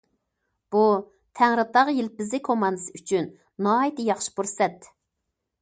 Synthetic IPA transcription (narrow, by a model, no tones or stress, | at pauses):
b̥u | t̪ʰæŋɾɨt̪ɑʁjilpɪzɪkʰomɑnd̪ɨsɨyt͡ʃʰynː | ɑːjit̪ɨjɑχʃɪ̥buɾsɛt̪